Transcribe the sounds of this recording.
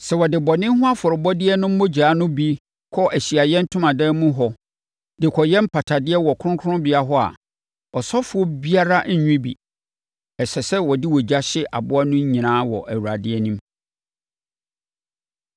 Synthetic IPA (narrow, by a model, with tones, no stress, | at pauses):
sɛ˨wɔ˨dɪ˨bɔ˨nɪ̃˦ɦʊ̃˦a˦fʊ˨ɾʊ˨bɔ˦dɪ˦ɛ˦nʊ̃˦m̩˦mõ˦d͡ʑaː˨˦nʊ̃˦bi˦ | kʰɔ˦ʔæ˨ɕi˨a˨jɛ̃˦n̩˦tʰʊ̃˦mã˨dɛː˦mũ˦ɦɔ˨ | dɪ˨kʰɔ˨jɛ̃˦m̩˦pʰa˨tʰa˨dɪ˦ɛ˦wɔ˨kʰʊ̃˦ŋ˦kʰʊ˦ʊ̃˦bɪ˨a˨ɦɔ˦a̰˨ | ɔ˨sɔ˦fʊ˦ɔ˦bi˦a˦ɾa˦ɲ̩˦ɲᶣũ˦bḭ˨ | ɛ˨sɛ˨sɛ˦wɔ˨di˦wɔ˨d͡ʑa˦ɕɪ˦ʔa̰˨bʊ˦a˦nʊ̃˦ɲ˦ɲĩ˨nãː˦wɔ̰˨ʔæ˨wu˨ɾa˨dɪ˦ɛ˦nĩ˦m